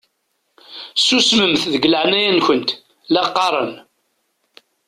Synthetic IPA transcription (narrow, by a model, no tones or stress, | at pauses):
susməmθðəɡləʕnæjænçənt̪ | læqːɑɾˤə̰n